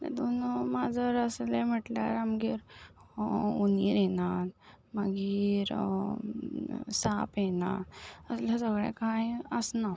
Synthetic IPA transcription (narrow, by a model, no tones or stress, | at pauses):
t̪ɛ̰d̪unumad͡zʱəɾəslem̤əʈlaɾamɡiːɾ | uniɾenat̪ | maɡiɾ | sapjena̰t̪əslasəɡɭã̰kajəsna